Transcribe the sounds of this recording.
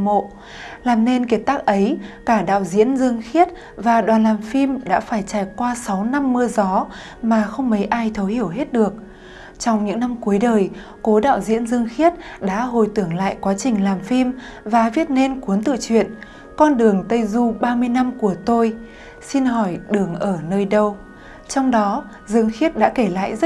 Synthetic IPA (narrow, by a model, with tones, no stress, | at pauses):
mo̰˧˨ | laː˨˩mne˧nke˨˩t̪aː˦˥k̚ʔə˨˦jkaː˧˩ɗa̰ː˧˨wzḭ˧˥ənzɨ˧əŋxi˦˥ət̚ | vaː˨˩ɗwaː˨˩nlaː˨˩mfi˧mɗa̰ː˧˥faː˧˩jt͡ɕaː˧˩jkwaː˧sa˨˦wna˧mːɨ˧əzɔ˨˦ | maː˨˩xə˧wŋ͡mmə˨˦jʔaː˧jt̪ʰə˨˦whi˧˩əwɦe˦˥t̚ɗɨ˨˩ək̚ | t͡ɕɔ˧wŋ͡mɲɨ̰˧˥ŋna˧mku˨˦əjɗəː˨˩j | ko˨˦ɗa̰ː˧˨wzḭ˧˥ənzɨ˧əŋxi˦˥ət̚ɗa̰ː˧˥ɦo˨˩jt̪ɨ˧˩əŋla̰ː˧˨jkwaː˨˦t͡ɕï˨˩ŋ̟laː˨˩mfi˧m | vaː˨˩vi˦˥ət̚ne˧nku˨˦ənt̪ɨ̰˧˨t͡ɕwḭ˧˨ən | kɔ˧nɗɨ˨˩əŋt̪ə˧jzu˧ɓaː˧mɨ˧əjna˧mku˧˩ət̪o˧j | si˧nɦɔ˧˩jɗɨ˨˩əŋʔəː˧˩nəː˧jɗə˧w | t͡ɕɔ˧wŋ͡mɗɔ˨˦ | zɨ˧əŋxi˦˥ət̚ɗa̰ː˧˥ke˧˩la̰ː˧˨jzə˦˥